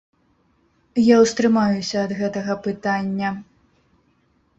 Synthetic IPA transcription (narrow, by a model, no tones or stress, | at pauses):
jawst̪ɾɨmajusʲɐːd̪ɣɛt̪ɐɣɐpɨt̪anʲːɐ